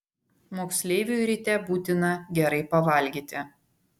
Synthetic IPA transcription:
moːksʲlʲeːʋʲuɾʲit̪ʲɛbuːt̪ʲɪnɐɡʲɛɾɐɪpɐʋɐˑlʲɡʲiːt̪ʲɪ

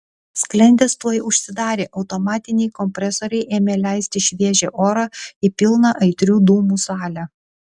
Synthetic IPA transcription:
sʲklʲɛnʲd̪ʲest̪uɔjʊʃʲsʲɪd̪ɑːɾʲeːʔɒʊt̪ɔmɑːt̪ʲɪnʲɛɪkɔmʲpʲɾʲɛsɔɾʲɛɪʔeːmʲelʲæˑɪsʲt̪ʲɪʃʲʋʲiɛʒʲḛːʔoːɾɑɪpʲɪlˠnɑʔɐɪt̪ʲɾʲuːd̪uːmuːsɑːlʲæ

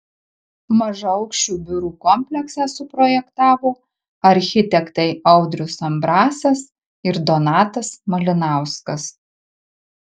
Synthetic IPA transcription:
mɐʒɐɒʊkʃʲt͡ʃʲuːbʲʊɾuːkɔmʲpʲlʲɛksɑsʊpɾɔːjɛkt̪ɑːʋoː | ɐɾʲxʲɪt̪ʲɛkt̪ɐɪɐʊd̪ʲɾʲʊsɐmbɾɑːsɐs | ɪɾd̪ɔnɑːt̪ɐsmɐlʲɪnɑˑʊskɐs

